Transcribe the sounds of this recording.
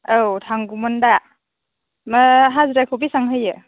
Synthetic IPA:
ɯwtʰaŋɡumɔnda | maɦazɾakʰubisaŋɦɯjɯ

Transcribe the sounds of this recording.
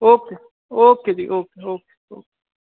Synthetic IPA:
oke | oːkediʔokeoke̥ | o̰ke̥

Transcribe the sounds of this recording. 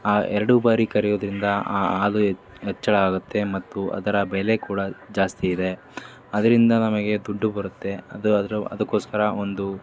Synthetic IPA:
aːʔɛɾɐɽubaːɾikɐɾɛjoːd̪ɾind̪ɐaːaːlu | ɛt͡ʃːɐɭɐaːɡut̪ːe̞mɐt̪ːuʔɐ̰d̪ɐɾɐbɛle̞kuːɽɐd͡ʒaːst̪iːd̪e̞ | ɐd̪ɐɾind̪ɐnɐmɐɡe̞d̪uɖːubɐɾut̪ːe̞ɐd̪uɾɐ̰d̪ɐkːo̞ːskɐɾɐo̞nd̪u

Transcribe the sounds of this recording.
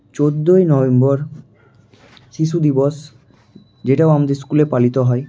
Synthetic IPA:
t͡ɕod̪ːojnɔbembɔɾ | ʃiʃud̪ibɔs | d͡ʑeʈaoamad̪eɾs̬kulepalit̪oɦɔe

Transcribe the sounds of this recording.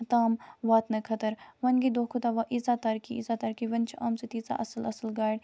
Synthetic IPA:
t̪aːmʋaːt̪nɐkʰɐt̪əɾʋɐnɡid̪oːkʰut̪aʋɐʔizat̪ɐɾkiḭzat̪ɐɾkiʋɐnt͡ʃʰʔɐːmsɨt̪iːt͡sa̰ʔɐsəlɐsəlɡaːɽ

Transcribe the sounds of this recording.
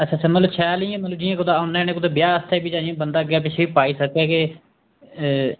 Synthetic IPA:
ət͡ʃʰãːt͡ʃʰãːmələt͡ʃʰɛːliãːmət̪ləbd͡ʒiːãːkʊd̪aːnẽːñẽːkʊd̪eːbjaːst̪ʰɛːbiːt͡ʃãːd͡ʒiãːbənd̪aːɡjaːpɪt͡ʃʰeːiːpaːiːsəkɛːke

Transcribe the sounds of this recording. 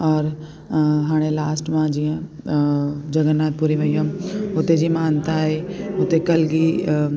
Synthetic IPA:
ɔːɾ | ɦaːɽ̃elaːsʈmãd͡ʑijə̃ | d͡ʑɐɡənːaːt̪̚puɾiʋɐiɦə̃ʊt̪ed͡ʑimaːnt̪aɦeʊt̪ekɐlɡi

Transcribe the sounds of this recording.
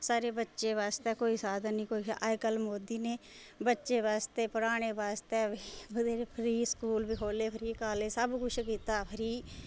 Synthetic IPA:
saːɾeːbətːʃeːʋaːst̪ɛːkoːiːsaːd̪ənnĩːkoːḭːaekəlmoːd̪iːneː | bətːʃeːʋaːst̪eːpəɾaːɽ̃eːbaːst̪eːʋiːbəd̪eːɾepʰɾiːskuːlbiːkʰoːleːpʰəɾiːkaːleːsəbkʊt͡ʃʰkiːt̪aːpʰəɾiː

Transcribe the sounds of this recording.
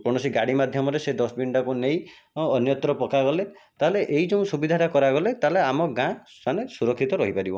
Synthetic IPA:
pɔɽ̃ɔsiɡaɽimad̪ʱjɔmɔɾesed̪ɔsbiɳɖakunej | ɔnjɔt̪ɾɔpɔkaɡɔle | t̪aɦeleʔeid͡ʒeũsubid̪ʱaʈakɔɾaɡɔlet̪aleamɔɡã | sanesuɾɔkʰːit̪ɔɾɔ̰ɦipaɾibɔ

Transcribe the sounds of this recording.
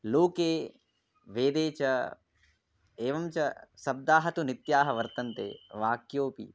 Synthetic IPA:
loːkeː | ʋeːd̪eːt͡ʃɐ | eːʋɐmt͡ʃɐsɐb̚d̪aːɦɐt̪unit̪jaːɦɐʋɐɾt̪ɐnt̪ḛːʋaːkjoːpḭ

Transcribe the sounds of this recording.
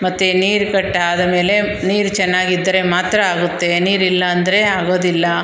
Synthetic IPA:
mɐt̪ːeniːɾkɐʈːɦaːd̪ɐme̞ːle̞ | niːɾt͡ʃɛnːaːɡid̪ːɐɾe̞maːt̪ɾɐaːɡut̪ːe̞niːɾilːɐːnd̪ɐɾeaːɡo̞ːd̪ilːɐ

